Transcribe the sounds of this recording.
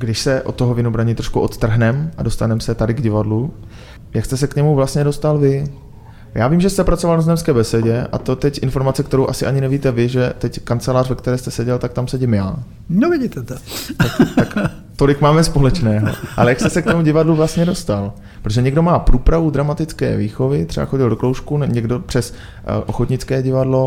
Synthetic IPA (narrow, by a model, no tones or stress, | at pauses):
ɡdɪʃsɛʔot̪ːoɦovɪnobɾaɲit̪ɾoʃkuʔot̪t̪r̩ɦnɛmʔado̞st̪anɛmsɛt̪adɪɡɟɪvadlu | jakst̪ɛs̬ɛkɲɛmuvlastɲɛdo̞st̪alvɪ | jaːviːmʒɛst̪ɛpɾat͡so̞valnaznɛmskɛːbɛsɛɟɛʔa̰t̪o̞t̪ɛcʔɪnfo̞ɾmat͡sɛkt̪ɛɾowʔasɪʔaɲɪnɛviːt̪ɛvɪʒɛt̪ɛckant͡sɛlaːrvɛkt̪ɛɾɛːst̪ɛsɛɟɛlt̪ak̚t̪amsɛɟɪmja̰ː | novɪɟit̪ɛt̪ot̪akt̪ak | t̪o̞lɪkmaːmɛspo̞lɛt͡ʃnɛːɦo̞̰ʔa̰lɛjakst̪ɛsɛkt̪omuɟɪvadluvlast̪ɲɛdo̞st̪al | pɾot̪oʒɛɲɛɡdo̞maːpɾuːpɾavud̪ɾamat̪ɪt͡skɛ̰ːviːxo̞vɪt̪r̥ɛba̰xo̞ɟɪldoklowʃkunɲɛɡdo̞pr̥ɛs | ʔoxot̪ɲɪt͡skɛːɟɪvadlo̞